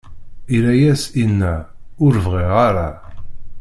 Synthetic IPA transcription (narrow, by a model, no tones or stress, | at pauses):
iɾæjæsinːæʊɾvʁeʁaɾa